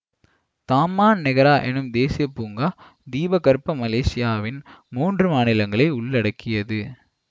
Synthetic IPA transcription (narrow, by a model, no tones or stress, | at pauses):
t̪aːmːaːnnɛɣɐɾaːʔɛnɯmd̪eːsɪjɐpːuːŋɡaː | d̪iːbɐkɐɾpːɐmɐleːsɪjaːʋɪnmuːndrɯmaːnɪlɐŋɡɐɭɐɪʊɭːɐɽɐkːɪjɐðɯ